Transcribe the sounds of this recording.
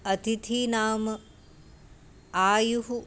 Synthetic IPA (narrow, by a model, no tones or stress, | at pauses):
ɐt̪it̪ʰiːnaːmə | aːjuɦu